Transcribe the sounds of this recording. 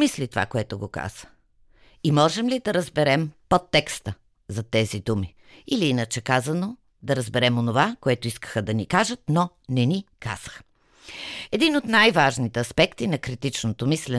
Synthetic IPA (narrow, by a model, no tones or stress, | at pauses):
islit̪ova̰koɛt̪oɡoka̰z̥ə̥ | imɔʒɛmlid̪ɐɾəzbɛɾɛmpot̪ːɛkst̪ə | zɐt̪ɛzid̪umi | iliinət͡ʃɛkazɐno | d̪ɐɾəzbɛɾɛmonovakoɛt̪oiskə̥xəd̪ɐnikaʒət̪̚no | nɛnika̰z̥ə̥x | ɛd̪inot̪najvaʒnit̪ɛɐspɛkt̪inɐkɾit̪it͡ʃnot̪omislɛ